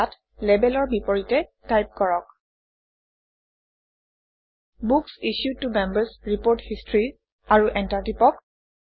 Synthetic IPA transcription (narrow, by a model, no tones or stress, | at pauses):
at | lɛbɛlɔɹbipɔɹitɛtajp̚kɔɹɔk̚ | buksiʃjud̚tumɛmbəɹsɹipoɹthistɹi | aɹuʔɛntaɹtipɔk